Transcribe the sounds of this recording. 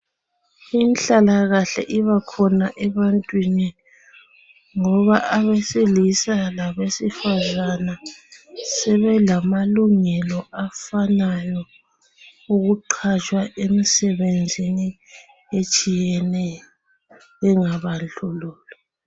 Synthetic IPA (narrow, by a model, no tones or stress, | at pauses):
inɬalaɣaɬɛ̰ʔiβakʰɔnaʔɛβantʼwini | ŋɔβaʔaβesilisalaβesifazana | sɛβɛlamaluŋɛlɔʔafanajɔ | uɣuǃʰat͡ʃʼwaʔemisɛβend͡zʱini | et͡ʃʼijɛnɛ | βɛŋaβand͡ɮuluːlɔ